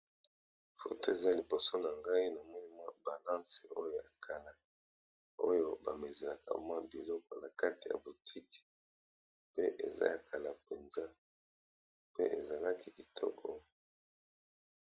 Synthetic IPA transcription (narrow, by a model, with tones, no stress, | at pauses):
fo˨to˦e˨za˦li˨bo˨so˦na˨ŋɡa˦i˦na˨mɔ˦ni˦mwa˦ba˨lã˦se˨o˦jo˦˨a˨kʰa˨la˨ | o˦jo˦ba˨me˨ze˨la˨ka̰˨mwa˦bi˨lɔ˦kɔ˨na˨ka˦ti˨ja̰˨bo˨tʰi˦ki̥˨ | pe˦ʔe˨za̰˦ja˨kʰa˨la˨pe˨nza˦ | pe˦ʔe˨za˨la˦ki˦ki˨tʰɔ̰˦kʰɔ˨